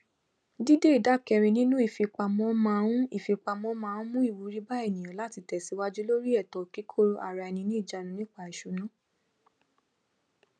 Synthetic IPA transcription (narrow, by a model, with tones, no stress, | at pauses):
di˦de˦i˨da˦˨kɛ˧ɾ̃ĩ˧nĩ˦nũ˦i˦˨fi˧k͡pa˧mɔ̃˨˦mã˦ũ˦i˦˨fi˧k͡pa˧mɔ̃˦mãː˦˧ũ˦mũ˦i˦˨wu˨˧˦ɾi˦ba˦ɛ˦˨nĩ˨j̃ɔ̃˨la˦ti˧tɛ˨si˨˦wa˦d͡ʒu˦lo˦ɾi˦ɛ˦˨tɔ˨ki˨˦kʰo˦˨ɾʔa˨ɾa˧ɛ˧nĩ˧nĩ˦i˦˨d͡ʒa˧˦nũ˧nĩ˦k͡pa˦˨i˨ʃu˨nũ˨˦